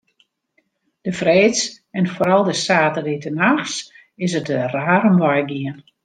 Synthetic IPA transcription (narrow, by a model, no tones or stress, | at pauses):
d̥əfreːs | ɛnfoːɾɔlˠdəsaːtəlitənaxs | ɪsətəraːɾəmʋajɡiən